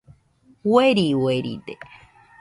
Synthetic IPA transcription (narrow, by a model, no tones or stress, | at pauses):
weɾiweɾḭd̪e